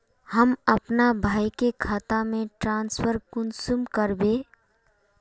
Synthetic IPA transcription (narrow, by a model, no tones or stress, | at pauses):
həməpnabʱaːjkekʰat̪amẽʈɾãnspʰəɾkunsumkəɾbe